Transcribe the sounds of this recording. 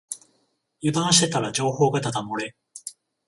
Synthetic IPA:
jɯd̪ãɰ̃ɕi̥t̪e̞t̪aɾad͡ʑo̞ːho̞ːɡat̪at̪amo̞ɾe̞

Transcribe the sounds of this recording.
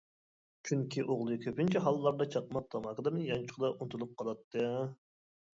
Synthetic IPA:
t͡ʃʰyŋkʲʰiʔoʁlˠɨkʲʰøpɪnt͡ʃʰiɦɑlˠːɑɾd̪ɑt͡ʃʰɑqmɑq̚t̪ʰɑmɑqəd̪ɨmɪnjɑnt͡ʃʰʊ̥qd̪ɑʔunt̪ʰulˠup̚qʰɑlˠɑt̪ːɨ

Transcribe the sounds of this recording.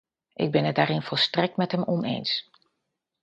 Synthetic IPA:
ʔɪ̰ɡ̚bɪnədaːɾɪnfɔlˠstrɛk̚tmɛtɦəmɔnḛjns

